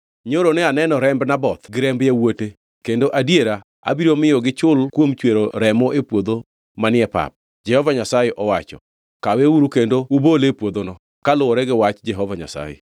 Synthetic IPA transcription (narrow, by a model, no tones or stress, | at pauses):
ɲoɾonɛanɛnɔɾɛmbnabɔt̪ɡɪɾɛmbjawote | kendoʔadjeɾa | a̰biɾomɪjɔɡɪt͡ʃʊlkwomt͡ʃweɾoɾɛmɔʔepwod̪o | manɪɛpa̰p̚ | d͡ʒɛhɔvaɲasajeʔɔwat͡ʃɔ̰ | kaweuɾukendoubolepwod̪onɔ | kalʊwɔɾɛɡɪwat͡ʃd͡ʒɛɦɔvaɲa̰sa̰jḛ